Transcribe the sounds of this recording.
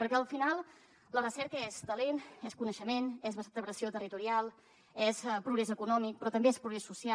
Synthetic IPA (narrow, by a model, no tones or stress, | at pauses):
pəɾkɛəlˠfinalˠ | lərəsɛɾkəezt̪əlenɛskunəʃəmenɛzβəsat̪əβɾəsiot̪ərit̪uɾialˠ | ɛspɾuɣɾɛzəkunɔmik̚pɾɔt̪əmbeɛspɾuɣɾɛsːusia